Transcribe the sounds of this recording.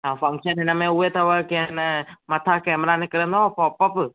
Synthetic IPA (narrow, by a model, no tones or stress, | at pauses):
ãfʰɐ̃ŋkʃənenɐmẽuet̪ʰɐʋəkinmɐt̪ʰakɛːmɾanekɐɾə̃nd̪õpɔːpəp